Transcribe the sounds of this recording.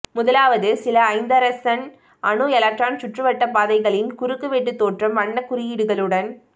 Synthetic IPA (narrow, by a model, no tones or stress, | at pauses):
mʊðɐlaːʋɐðɯsɪlɐːɪnd̪ɐɾɐsɐn | ʔɐɳɯɛlɐk̚ʈɾaːnt͡ʃʊʈrɯʋɐʈːɐpaːðɐɪɣɐɭɪnkʊɾɯkːɯʋeːʈ̬ːɯt̪ːoːʈrɐmʋɐɳːɐkːʊɾɪjɪɽɯɣɐɭɯɽɐn